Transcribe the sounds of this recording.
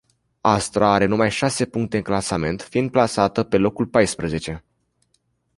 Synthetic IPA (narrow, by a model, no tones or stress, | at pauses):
ast̪ɾaaɾe̞numajʃase̞puŋkt̪e̞ɨŋklasame̞nt̪fiind̪̚plasat̪əpe̞lo̞kulpajspɾəze̞t͡ʃe̞